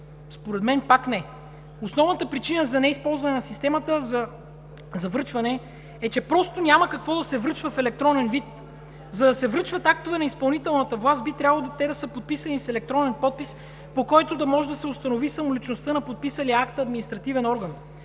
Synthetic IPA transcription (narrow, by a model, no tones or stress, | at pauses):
spoɾɛd̪mɛnpaknɛ | osnɔvnət̪əpɾit͡ʃinəzɐnɛispɔlˠzvɐnɛnɐsist̪ɛmət̪əzɐ | zɐvɤt͡ʃvɐnɛ | ɛt͡ʃɛpɾɔst̪onʲaməkɐkvɔd̪ɐsɛvɾɤt͡ʃvəfɛlɛk̚t̪ɾɔnɛnvit̪ | zɐd̪ɐsɛvɾɤt͡ʃvɐt̪ak̚t̪ovɛnɐispɐlˠnit̪ɛlˠnɐt̪əvlˠast̪̚bit̪ɾʲabəlˠod̪t̪ɛd̪ɐsɤpot̪̚pisɐnisɛlɛk̚t̪ɾɔnɛnpɔt̪̚pis | pokɔjt̪od̪ɐmɔʒɛd̪ɐsɛʊst̪ɐnovisɐmolit͡ʃnost̪ɤnɐpot̪̚pisɐliəakt̪ɐd̪minist̪ɾɐt̪ivɛnɔɾɡən